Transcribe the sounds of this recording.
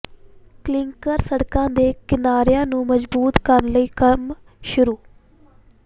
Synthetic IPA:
klɪŋkəɾsəɽkãːd̪eːkɪnaːɾjãːnũːməd͡ʒbuːt̪kəɾnləiːkəm | ʃʊɾuː

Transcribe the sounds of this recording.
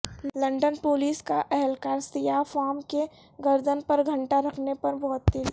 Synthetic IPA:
lɐ̃ɳɖənpoːliːskaʔɛɦɛlkaːɾsɪjafaːmke | ɡɐɾd̪ənpɐɾɡʱɐ̃ɳʈaɾɐkʰnepɐɾbɔːt̪̚d̪il

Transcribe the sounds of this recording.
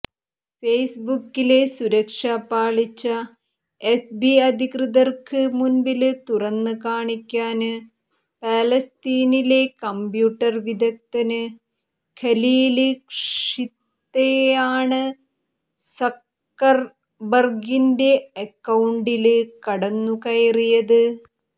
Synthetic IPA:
fejsbukːile̞suɾɐkʂaːpaːɭit͡ɕːɐ | efbiɐd̪ʱikrɨðɐrkɨmunbilɨt̪urɐnːɨkaːɳikʲːaːnɨ | paːlɐst̪iːnile̞kɐmbjuːʈːɐrʋid̪ɐk̚t̪ɐnɨ | kʰɐliːlɨkʂit̪ːejaːɳɨ | sɐk | kːɐr | bɐrɡinde̞ɐkːɐwɳɖilɨkɐɽɐnːukɐjrijɐðɨ

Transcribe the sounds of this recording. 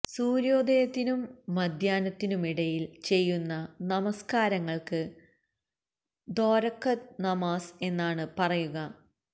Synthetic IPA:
suːɾjo̞ːd̪ejɐt̪ːinumːɐd̪ʱjaːnɐt̪ːinumiɽɐjilt͡ɕe̞jːunːɐnɐmɐskaːɾɐŋːɐɭkɨ | d̪o̞ːɾɐkːɐt̪nɐmaːse̞nːaːɳɨpɐrɐjuɣɐ

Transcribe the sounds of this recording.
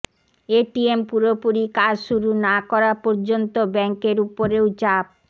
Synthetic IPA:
eʈiempuɾopuɾikaɾʃuɾunakɔɾapɔɾd͡ʑont̪obɛŋkeɾupoɾewt͡ɕap̚

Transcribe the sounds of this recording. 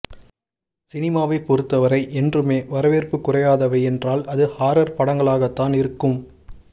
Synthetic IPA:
sɪnɪmaːʋɐɪpɔɾɯt̪ːɐʋɐɾɐɪʔɛndrɯmeːʋɐɾɐʋeːrpɯkːʊrɐjaːðɐʋɐɪɛndraːlɐðɯhaːɾɐɾpɐɽɐŋɡɐɭaːɣɐt̪ːaːnɪɾɯkːɯm

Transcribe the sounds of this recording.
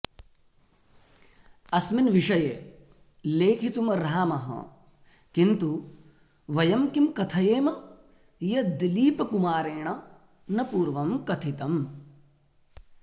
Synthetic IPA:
ɐsminʋiʂɐje | leːkʰit̪umɐɾaːmɐɦɐ̰̃ | kint̪u | ʋɐjɐmkimkɐt̪ʰɐjeːmɐ | jɐd̪iliːpɐkumaːɾeːɳ̃ɐ | nɐpuːɾʋɐmkɐt̪ʰit̪ɐm

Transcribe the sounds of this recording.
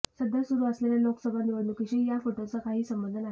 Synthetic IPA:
səd̪ʱːasuɾuːəsleljaloksəbʱaniʋəlukiɕijafoʈot͡səkaɦiːsəmbənd̪ʱəna

